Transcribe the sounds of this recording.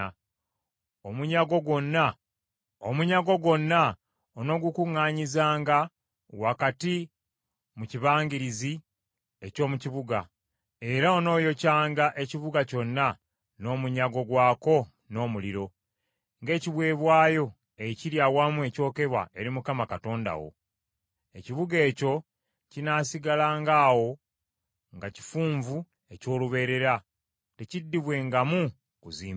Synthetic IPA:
omuɲaɡo̞ɡo̞nːa | omuɲaɡo̞ɡo̞nːa | ono̞ːɡukuŋːaːɲizaːŋɡa | wakati | muciβaːɲɡiɾizi | e̞co̞ːmuciβuɡa | e̞ɾao̞no̞ːjo̞caːŋɡaʔe̞ciβuɡaco̞nːa | no̞ːmuɲaɡo̞ɡwaːko̞ | no̞ːmuliɾo̞ | ŋɡe̞ːciβwe̞ːβwaːjo̞ | eciɾjawamue̞co̞ːke̞βwa̰e̞ɾimukamakato̞ːnda̰wo̞̰ | e̞ciβuɡe̞ːco̞ | cinaːsiɡalaːŋɡaːwo̞ | ŋɡaci̥fuːɱvu | e̞co̞ːluβe̞ːɾe̞ɾa | te̞cidːiβwe̞ŋɡamu | kuziːm

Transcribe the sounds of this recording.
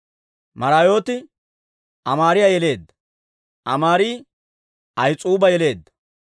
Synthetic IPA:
mɐɾaːjo̞ːt̪ɪ | ʔɐmaːɾɪjajɛle̞ːd̪ːɐ̥ | ʔɐ̰maːɾiː | ʔɐjt͡sʼuːbɐjɛle̞ːd̪ːɐ̥

